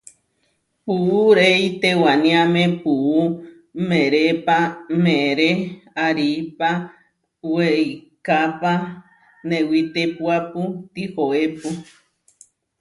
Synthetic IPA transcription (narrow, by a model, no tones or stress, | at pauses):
puuɾeit̪ewanĩãmẽpuu | mẽɾepamẽɾeaɾipa | wejkapa | nẽwit̪epwaput̪ihoepu